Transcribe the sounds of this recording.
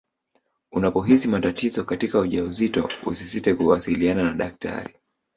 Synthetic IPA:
unapɔɦisimatatizɔkatikauʄauzitɔ̰ṵsisitɛkuwasiliananaɗak̚tʰa̰ɾi

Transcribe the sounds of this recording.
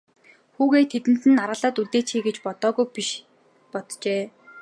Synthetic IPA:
xuːɣeːt̪ʰet̪ɘ̆n̥t̪ɘ̆naɾʁə̆ɮaːt̪uɮt̪eːt͡ɕxiːɡet͡ɕpɔt̪ɔːɣujpiʃ | pɔt̪t͡ɕeː

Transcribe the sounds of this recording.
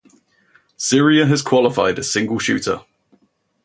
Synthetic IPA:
sɪəɹiəəz̥kʰw̥ɒlɪfa̰ɪdə̥sɪ̃ŋɡəlˠʃʉ̰ˑtʰə̰

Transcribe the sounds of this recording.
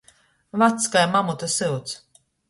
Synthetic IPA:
vat̪skajmamut̪asɨwt̪s

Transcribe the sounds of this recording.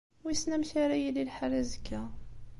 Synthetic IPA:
wisnæmçaɾæjililħaræzəkːæ

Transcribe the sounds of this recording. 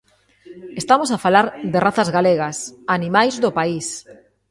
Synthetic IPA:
est̪amosafalaɾðɪraθɐzɣaleɣasanimajzðʊpais

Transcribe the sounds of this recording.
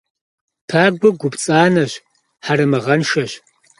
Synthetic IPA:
tʰaːɡʷʊɡʷʊpt͡sʼaːnɐɕ | ħaɾɨmɐʁɐnʂɐɕ

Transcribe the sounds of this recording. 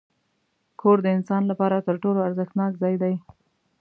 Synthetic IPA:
kʰoɾd̪əɪnsɑnlapɑɾat̪əɾʈoloaɾzəxt̪nɑkzɑjd̪aj

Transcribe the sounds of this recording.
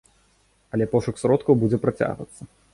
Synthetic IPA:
ɐlʲɛpɔʂuksɾɔt̪kɐwbud͡zʲɛpɾat͡sʲa̰ɣvɐ̰t̪sːɐ

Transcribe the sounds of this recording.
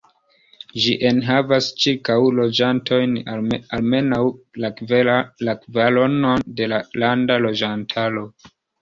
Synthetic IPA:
ʒiʔe̞nɦavast͡ʃiɾkawlod͡ʒantʰo̞jnalme̞nawla | akvalo̞no̞nde̞lalandalo̞d͡ʒantʰaɾo̞

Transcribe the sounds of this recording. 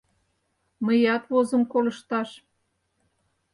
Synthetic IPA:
məjɑt̪βozə̆mkoləʃt̪ɑʃ

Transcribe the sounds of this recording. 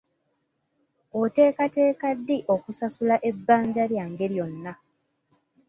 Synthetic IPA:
ote̞ːkate̞ːkadːiʔokusasulaʔe̞bːaːɲɟaljaːŋɡe̞ɾjo̞nːa

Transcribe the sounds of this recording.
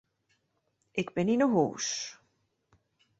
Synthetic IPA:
ekpeninoɦus

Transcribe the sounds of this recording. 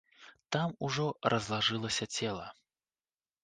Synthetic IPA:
t̪amuʐɔrʔɐzlˠaʐɨlˠɐsʲɐt͡sʲɛlˠɐ̰

